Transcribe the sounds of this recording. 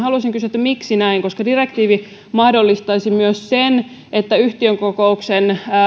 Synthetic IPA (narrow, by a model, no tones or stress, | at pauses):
hɑluɑsiŋkysyet̪ːæmiksinæiŋkoskɑdirekt̪iːʋi | mɑhdolːist̪ɑisimyøssen | et̪ːæyht̪iøŋkokouksenː